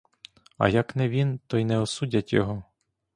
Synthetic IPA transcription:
ɐ̰jɐknɛʋʲint̪ɔjnɛɔsudʲɐtʲjɔ̰ɦɔ

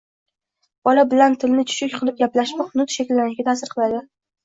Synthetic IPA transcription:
b̥ɒlabɪlant̪ʰɪlnɪt͡ʃʰʊ̥ʃʊkʲqʰɨlˠɪp̚ɡʲaplaʃmahʊd̪ʊt̪ʃakʲɪlːanɪʃɡʲat̪ʰaːsɪɾqʰɨlˠad̪ɪ

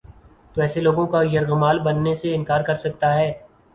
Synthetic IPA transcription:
t̪oɛːseloːɡõkajɐɾɣəmaːlbɐnːeseɪ̃nkaːɾkɐɾsɐk̚t̪aɦɛː

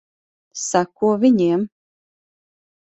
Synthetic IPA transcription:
sakuɔvʲiɲʲiɛm

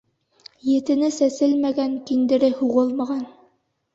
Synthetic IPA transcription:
jɘ̆t̪ɘ̆nɘsæsɘlmæɡæŋkind̪ɘ̆ɾɘhuʁɤlˠmɑʁɑn

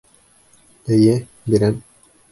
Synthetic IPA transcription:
ɘ̆jɘ | biɾæm

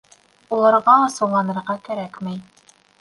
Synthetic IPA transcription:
ulˠɑɾʁɑːsɤ̆wlˠɑnɤ̆ɾʁɑkæɾækmæj

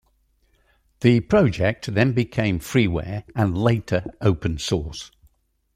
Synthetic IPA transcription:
ðəpʰɹ̥ɒʊd͡ʒɛk̚tðə̃nbɪkʰẽɪ̃mɱfɹiːwɛ̰ːɹə̃nleɪtʰəɹəʊpə̃nsɔːˑs

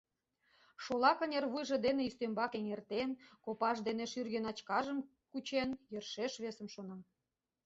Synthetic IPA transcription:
ʃolɑkənʲerβujʒĕd̪eneist̪ømbɑkeŋert̪enkopɑʃd̪eneʃyrɣenɑt͡ɕkɑʒə̆m | kut͡ɕenjərʃeʃβesə̆mʃonɑm

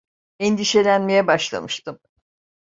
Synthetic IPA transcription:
ɛnd̪iʃe̞lʲænme̞jɛbaʃlˠa̰mɯʃt̪ɯm

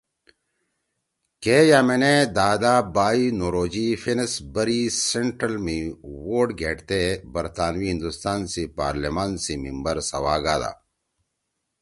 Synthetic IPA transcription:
keːjamened̪aːd̪abaːinoɾoːd͡ʑifensbɐɾiseɳʈɾɐlmiwoːɾɖɡʱeːʈt̪ebɐɾt̪aːnwiɦĩnd̪ust̪aːnsipa̰ːɾlemaːnsimimbɐɾsɐwaːɡa̰ːd̪a̰

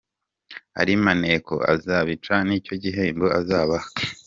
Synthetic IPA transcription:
a̰ɾimaneko̞̰a̰zaβit͡ʃaniːco̞ɟiɦeːmboazaːβa

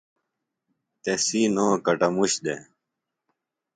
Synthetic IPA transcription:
t̪esiːnoːkɐʈɐmuɕd̪e

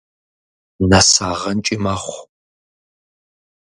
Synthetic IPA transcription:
nasaːʁɐnt͡ʃʼɪmaχʷ

